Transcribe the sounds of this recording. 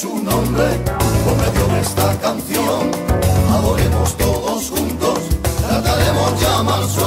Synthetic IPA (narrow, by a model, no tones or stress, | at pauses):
sunõmbɾepomeðjoðest̪akan̟θjoŋaðoɾemost̪oðosxunt̪ost̪ɾat̪aɾemozðeamaɾs